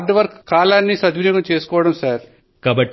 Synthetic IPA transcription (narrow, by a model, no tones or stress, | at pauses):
ɖʋɐɾkkːaːlaːnːisɐd̪ʋinɐɡɐmt͡ʃeːsu̥kɔːʋɐɽɐmsaːɾ | kaːbɐʈː